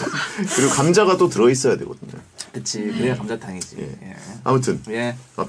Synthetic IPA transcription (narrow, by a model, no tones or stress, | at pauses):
kɯɾiɡokamd͡ʑaɡadotɯɾʌis̬͈ʌjadwe̞ɡʌdɯɲo̰kɯt͡ɕʰikɯɾekamd͡ʑataŋid͡ʑḭje̞̰jea̰mutʰɯnjea̰